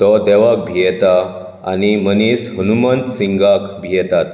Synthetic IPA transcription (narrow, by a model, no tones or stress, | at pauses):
t̪ɔd̪ɛʋak̚bʱijɛt̪a | a̰nimənisɦunumənt̪sĩŋɡakbʱijɛt̪at̪̚